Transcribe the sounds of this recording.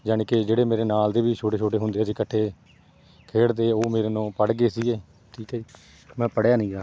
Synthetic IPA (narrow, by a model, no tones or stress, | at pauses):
d͡ʒaːnːked͡ʒeːɽeːmeːɾeːnaːld̪eːʋiːt͡ʃʰoːʈeːt͡ʃʰoːʈeːɦʊnd̪eːsiːkəʈʰːeː | kʰeːɽd̪eːoːmeːɾeːnõːpəɽɡeːsiːɡeː | t̪ʰiːke | mɛ̃ːpəɽjaːnəĩːaː